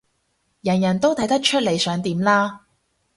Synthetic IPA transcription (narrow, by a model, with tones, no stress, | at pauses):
jɐ˨˩njɐ˨˩nt̪o˥wt̪ʰɐ˨˥jt̪ɐ˥k̚t͡ʃʰɵ˥t̚le˨˩jsœː˨˥ŋt̪iː˨˧mlaː˥